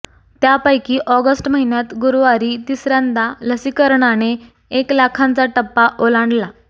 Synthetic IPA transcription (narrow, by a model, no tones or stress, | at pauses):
t̪japajkiːʔɔɡəsʈməɦinjat̪ɡuɾʋaɾiːt̪isɾãnd̪aləsikəɾɳane | eklakʰãnt͡saʈəpːaʔolaɳɖla